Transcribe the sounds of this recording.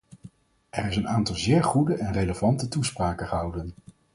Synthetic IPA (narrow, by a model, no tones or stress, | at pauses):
ʔɛɹɪsənaːntɑlˠzɪːɹχudəʔɛnrejləvɑntətuspraːkəχəɦɑwdən